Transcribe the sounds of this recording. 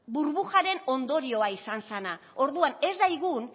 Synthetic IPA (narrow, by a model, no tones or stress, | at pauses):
buɾβuʝaɾe̞no̞nd̪o̞ɾio̞aisansana | o̞ɾðuane̞zd̪ajɣun